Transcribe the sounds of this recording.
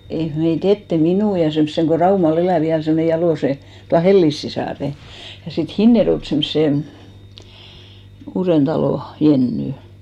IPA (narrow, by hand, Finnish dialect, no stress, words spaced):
ei meit etːe minuˑ jɑ semsːeŋ ko rɑumɑl elæˑ ʋiæl semːone jɑloˑse tuɑ helːis sisɑˑre jɑ sit hinːerjoĕlt semsːe uːrentɑloˑ jenːy